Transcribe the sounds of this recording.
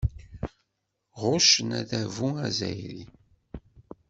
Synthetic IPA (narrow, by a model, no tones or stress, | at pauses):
ʁʊʃənæðævuæzæ̰jɾi